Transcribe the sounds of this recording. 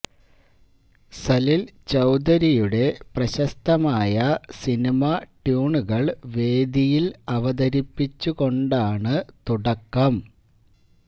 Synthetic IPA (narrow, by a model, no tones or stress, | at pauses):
sɐlilt͡ɕɐwd̪ɐɾijuɽe̞prɐɕɐst̪ɐmaːjɐsinimɐʈjuːɳuɣɐɭʋe̞ːd̪ijilɐʋɐd̪ɐɾipːit͡ɕːuɣo̞ɳɖaːɳɨt̪uɽɐkːɐm